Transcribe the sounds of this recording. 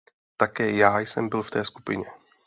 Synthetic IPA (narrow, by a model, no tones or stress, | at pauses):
t̪akɛːjaːjsɛmbɪlft̪ɛːsku̥pɪ̰ɲɛ